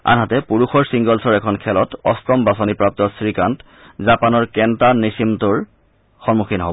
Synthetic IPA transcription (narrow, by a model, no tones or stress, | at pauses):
a̰nɦatɛpuɹuxɔɹsiŋɡɔlsɔɹɛkʰɔnkʰɛlɔtɔstɔmbasɔnipɹap̚tɔsɹikant | zapanɔɹkɛntanisimtuɹ | xɔnmukʰinɦobɔ